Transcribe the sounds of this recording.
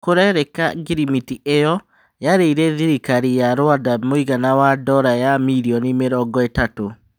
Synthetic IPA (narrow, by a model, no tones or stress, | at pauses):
koɾɛɾɛkaɡiɾimitiʔejɔ | jaɾeiɾɛðiɾikaɾijaɾoadamoiɣanawadɔɾajamiɾiɔnimeɾɔŋɡɔetato